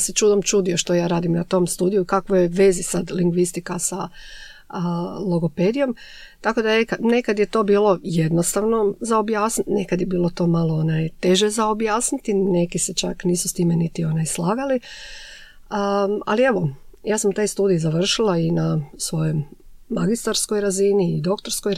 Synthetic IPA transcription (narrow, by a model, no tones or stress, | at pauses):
set͡ʃuːd̪omt͡ʃud̪ijoʃt̪o̞jaːɾaːd̪imnat̪o̞mst̪uːd̪ijuikakʋojeʋe̞zisad̪liŋɡʋist̪ikasa | lˠoɡoped̪ijo̞m | t̪ako̞d̪anekane̞kad̪jet̪o̞ːbiːlo̞je̞d̪nost̪aʋno̞zaobjaːsnine̞kad̪jebiːlˠo̞t̪o̞ːmalˠoonajt̪e̞ʒezaobjaːsnit̪ine̞kiset͡ʃa̰kniːsust̪iːmenit̪io̞najslˠaːɡali | a̰lie̞ʋo̞jaːsamt̪ajst̪uːd̪ijizaʋr̩ʃilˠainasʋo̞jommːaɡist̪aɾsko̞jɾaziniːd̪o̞kt̪o̞ɾskoj